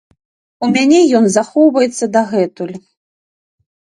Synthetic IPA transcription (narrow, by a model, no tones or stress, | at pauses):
umʲanʲɛjɔnzaxɔwvɐjɛt̪sːɐd̪aɣɛt̪ulʲ